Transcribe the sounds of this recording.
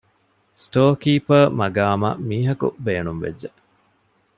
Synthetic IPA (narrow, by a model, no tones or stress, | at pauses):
sʈoːkiːpɐmɐɡaːmɐ̰miːɦɐkṵbeːnumʋḛd͡ʒːe